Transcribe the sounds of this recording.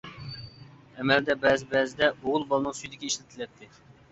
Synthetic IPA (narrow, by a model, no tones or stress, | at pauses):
ɛmɛld̪ɛbɛzɪbɛzɪd̪ɛoʁʊlˠbɑlˠnəŋsyjd̪ɪkʲiiʃlɪt̪ʰɪlɛt̪ʰːɪ